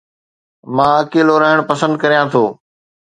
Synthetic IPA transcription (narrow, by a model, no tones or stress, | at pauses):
mãːɐkeːloɾɐɦɪɽ̃pɐsə̃nd̪kɐɾijãːt̪ʰoː